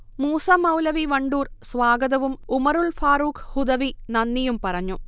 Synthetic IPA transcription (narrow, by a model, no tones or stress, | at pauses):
muːsɐmɐwlɐʋiʋɐɳɖuːrsʋaːɡɐðɐʋumumɐɾuɭfaːɾuːkhud̪ɐʋinɐnːijumpɐrɐɲːu